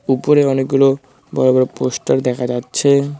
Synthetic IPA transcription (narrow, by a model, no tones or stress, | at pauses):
upoɾeɔnek̚ɡulo | bɔɾobɔɾoposʈaɾd̪ɛkʰad͡ʑatːɕʰe